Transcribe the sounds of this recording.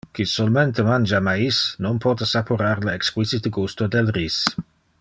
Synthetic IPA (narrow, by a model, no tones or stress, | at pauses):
kisolmɛnt̪əmand͡ʒamaisnonpʰɔt̪əsapuɾaɾləɛkskwisit̪əɡust̪od̪elris